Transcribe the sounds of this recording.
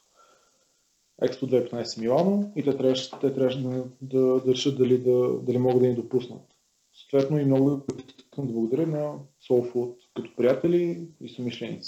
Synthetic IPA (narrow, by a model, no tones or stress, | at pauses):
ɛ̰kspod̪vɛipɛt̪ajsɛmilˠanoit̪ɛt̪ɾʲavʃt̪ɛt̪ɾʲaʃd̪d̪ɐd̪ɐɾɛʃət̪̚d̪ɐlid̪əd̪ɐlimɔɡəd̪d̪ənid̪opusnə̰t̪ | sot̪vɛt̪noimnɔɡʊip̪isi̥sk̪ənd̪blˠɐɡʊd̪ɐɾʲənɐsɔlfut̪kət̪ɔ̥pɾijat̪ɛliisomiʃlɛnḭt̪si̥